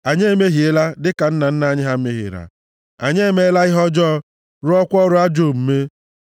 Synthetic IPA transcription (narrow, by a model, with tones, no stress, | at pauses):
a˨ɲe˦˨me˦ɦi˨e˦la˦dɪ˦ka˨n̩˦na˨n̩˦na˨ɲɪ˦ɦa˦m̩˦me˦ɦɪ̰˨ɾa̰˨ | a̰˨ɲe˦e˦me˦la˦ɪ˦ɦɔ˦d͡ʒɔː˦ | ɾʊ˦ɔ˦kʷɔ˦ɾʊ˦a˦d͡ʒo˦˨m̩˨me˦